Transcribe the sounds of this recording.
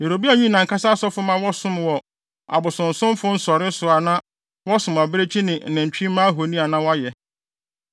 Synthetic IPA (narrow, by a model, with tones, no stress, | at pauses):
je˨ɾo˨bi˦a˨ɲĩ˦˨nã˨ŋka˦sa˦sɔ˦fʊ˦mã˦wɔ˦sʊ̃˦mwɔ˨ | a̰˨bʊ˨sʊ̃˨n̩˨sʊ̃˦m˦fʊ̃˦n̩˦sɔ˨ɾɪ˦sʊ˨a˨nã˦ | wɔ˦sʊ̃˨ma˨bɾe˦t͡ɕʰi˦nɪ̃˨n̩˨nɛ̃˨ɲ˨t͡ɕᶣi˦mãː˦ɦo˨nĩ˦a˨nã˦wa˦jɛ˨